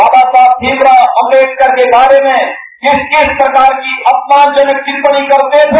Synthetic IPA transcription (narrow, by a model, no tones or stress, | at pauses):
baːbasaːb̚d̪ʱiːmɾaɐ̃mɾeːd͡ʒkɐɾkebaːɾemẽ | ɪskɪʃpɾɐkaːɾkiʔɐpmaːnd͡ʒənək̚kɪɾpəɽ̃ikɐɾt̪e